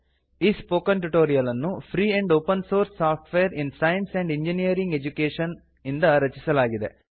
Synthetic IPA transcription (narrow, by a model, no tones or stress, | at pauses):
iːspoːkɐnʈuʈoːɾijɐlɐnːupʰɾiːeɳɖoːpɐnsoːɾsːaːp̚ʰʈʋejɐɾinsɐjɐnseɳɖiɲd͡ʒinijɐɾiŋɡed͡ʒukeːʃɐn | ind̪ɐɾɐt͡ʃisɐlaːɡid̪e̞̰